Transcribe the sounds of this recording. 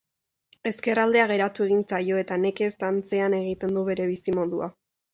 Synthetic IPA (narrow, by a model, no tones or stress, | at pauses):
e̞ske̞rald̪e̞aɣ̞e̞ɾat̪ue̞ɣint͡sajo̞e̞t̪ane̞ke̞st̪ant͡se̞ane̞ɣ̞it̪e̞nd̪uβe̞ɾe̞β̞isimo̞ðua